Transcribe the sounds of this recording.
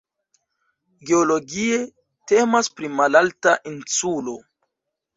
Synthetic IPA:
ɡeolo̞ɡie̞ | te̞maspɾimalaltaʔinsulo̞

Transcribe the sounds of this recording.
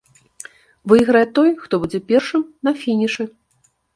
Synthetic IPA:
vɨjɣɾɐjɛt̪ɔjxt̪ɔbud͡zʲɛpʲɛrʂɨmnɐfʲinʲiʂɨ

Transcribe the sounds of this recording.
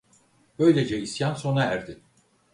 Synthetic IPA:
bø̞jlʲe̞d͡ʒɛisjanso̞naæɾd̪ɪ

